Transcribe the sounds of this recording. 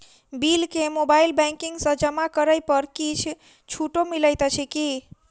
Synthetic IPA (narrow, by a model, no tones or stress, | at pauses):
bilkemobailbɛ̃ŋkiŋɡsə̃d͡ʒəmakəɾəjpəɾkit͡ʃʰ | t͡ʃʰuʈomiləjt̪ət͡ʃʰiki